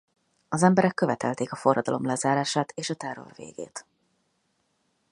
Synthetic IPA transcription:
ɒzɛmbɛɾɛkːø̞vɛt̪ɛ̰lt̪eːkɒfo̞rːɒd̪ɒ̰lo̞̰mlɛzaːɾaːʃaːt̪eːʃɒt̪ɛrːo̞̰rvḛːɡ̥ḛːt̪

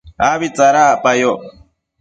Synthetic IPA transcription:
aβit͡saɾapajo

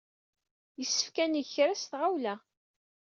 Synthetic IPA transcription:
jəsːə̥fkæniçɾæsθʁawlæ

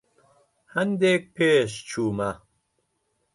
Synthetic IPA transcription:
hɐnd̪ek̚pʰeːʃ̬t͡ʃʰuːmɐ

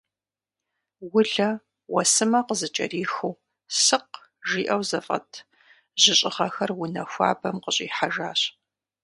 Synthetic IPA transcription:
wʊɮɐ | wɐsɨmɐqəzɨt͡ʃʼɐ̰riːxuw | sɨq | ʒiːʔɐwzɐfʼɐ̰tʰ | ʑɪɕʼɪʁɐxɐrwʊnɐxʷa̰ːbɐmqəɕʼiːħaʒaːɕ

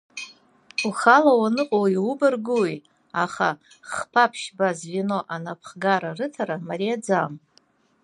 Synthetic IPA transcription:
uχalawanɨqʼoiwʊbɨrɡuwi | aχa̰ | χpʰapʰʃbazvino̞ʔanapʰχɡaɾarɨtʰaɾamaɾijad͡zam

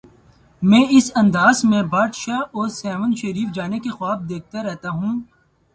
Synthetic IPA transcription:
mɛ̃ːɪsɐ̃nd̪aːzmẽbaːd̪ʃaːɔːɾsɛːʋə̃nʃɐɾiːfd͡ʒaːnekexwaːb̚d̪eːk̚t̪aɾɛɦt̪aɦũː

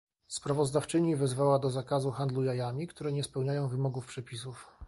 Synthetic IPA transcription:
spɾavɔzd̪aft͡ʂɘɲivɛzvawad̪ɔzakazuxand̪lujajamʲikt̪uɾɛɲɛspɛwɲajɔ̃w̃vɘmɔɡufpʂɛpʲisuf

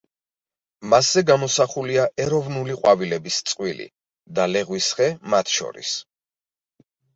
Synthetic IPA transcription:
maszɛɡamɔsaχuliaʔɛɾɔvnuliqʼwavilɛbist̪sʼqʼwilḭ | d̪alɛʁwisχɛmat̪ʰʃɔ̰ɾḭs

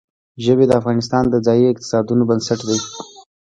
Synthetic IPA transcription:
ʒəbed̪əafɣɑnɪs̬t̪ɑnd̪əd͡zɑjiɪq̚t̪ɪ̥sɑd̪unobənsaʈd̪ai

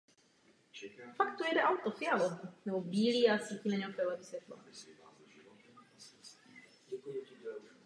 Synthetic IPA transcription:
fakt̪ojɛdɛʔawt̪ofɪaloɦnɛbobiːliasiːcimɛɲɛɦokɛlɛːvisvjɛt̪lo̰

